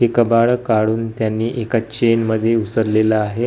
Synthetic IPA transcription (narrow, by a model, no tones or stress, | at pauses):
ɦekəbaɭkaɽuːnt̪janːiːʔekat͡ɕenməd̪ʱːjeusəɾlelaaɦe